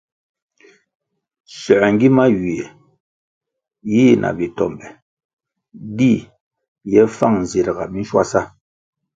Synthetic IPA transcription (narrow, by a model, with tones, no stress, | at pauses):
sɛ˨ɛ˨ŋ˦ɡi˦ma˦ɥi˨ɛ˨ | ji˦nʔa̰˨bi˨tɔ˨mbɛ˨ | di˦ | jɛ˦fa˦˨ŋn˨ze˨ɾɡa˨mi˦n̩˦ʃwa̰˦˨sa˦